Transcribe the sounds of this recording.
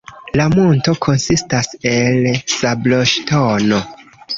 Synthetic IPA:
lamunto̞kʰo̞nsistaselsabloʃtono

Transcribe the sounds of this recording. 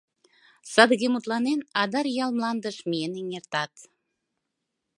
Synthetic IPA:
sɑd̪əɣʲemut̪lˠɑnenɑd̪ɑɾjɑlˠmlˠɑnd̪ə̆ʃmieneŋert̪ɑt̪

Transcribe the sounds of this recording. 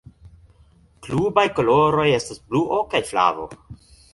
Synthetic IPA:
klubajko̞loɾo̞je̞stasbluʔokajfla̰vo̞̰

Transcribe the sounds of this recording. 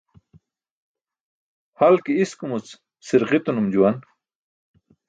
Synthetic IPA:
halkiiskumut͡s | siɾʁit̪unumd͡ʑuwan

